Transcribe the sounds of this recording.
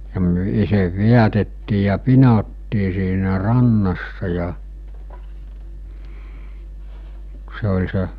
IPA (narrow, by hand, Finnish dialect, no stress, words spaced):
jɑ myø̆ iseʋ ʋiætetːiː jɑ pinotːiː siːnæ rɑnːɑsːɑ jɑ se olʲ se